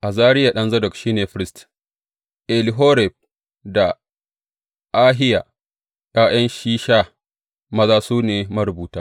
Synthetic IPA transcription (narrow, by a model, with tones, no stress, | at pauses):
ʔa˨zaː˦ɾɪ˦ja˨ɗɐ˦nzɐ˦dɔ˨kʃiː˦neː˨ɸɪ˦ɾɪ˦st | ʔɛ˨li˦ɦoː˦ɾɛ˨b̚ | da˨ | ʔaː˦ɦɪ˦ja˨ | ja˦j̰ɐ˦nʃiː˦ʃa˦ | mɐ˦zaː˦suː˦neː˨mɐ˦ɾʊ˨buː˨taː˦